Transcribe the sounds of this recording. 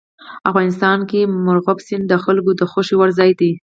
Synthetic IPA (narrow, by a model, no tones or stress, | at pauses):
afɣɑnɪst̪ɑnkemʊɾɣabsɪnd̪əxalɡod̪əxoʃiwaɾzɑjd̪i